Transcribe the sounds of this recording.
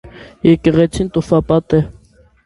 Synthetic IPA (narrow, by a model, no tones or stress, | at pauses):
jɛkɛʁɛt͡sʰint̪ufɑpɑt̪ɛ